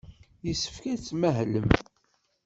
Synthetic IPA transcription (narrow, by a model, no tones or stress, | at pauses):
jisːə̥fkæt͡sːməɦləm